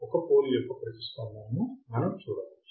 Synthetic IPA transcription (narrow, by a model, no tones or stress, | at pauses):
ɔkɐpoːlepːɐpɾɐsist̪aːnːaːnumɐnɐmt͡ʃuːɽaːlu